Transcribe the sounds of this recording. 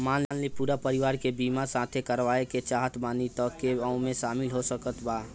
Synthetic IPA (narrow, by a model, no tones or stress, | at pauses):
maːnanlipuːɾapəɾɪʋaːɾkebiːmasãːt̪ʰekəɾʋaːeket͡ʃaːɦət̪ʰbaːnit̪ɔkːeãʊ̃mẽʃaːmɪlɦosəkət̪baː